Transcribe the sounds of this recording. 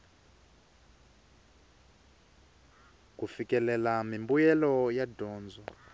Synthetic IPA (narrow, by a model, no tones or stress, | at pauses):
kufikɛlɛlamimbujɛlɔjadʱɔːnd͡zʱɔ